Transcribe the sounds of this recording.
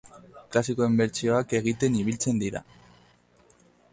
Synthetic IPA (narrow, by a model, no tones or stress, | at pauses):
klasiko̞imbe̞ɾt͡sio̞ake̞ɣ̞it̪e̞niβ̞ilt͡se̞nd̪iɾa̰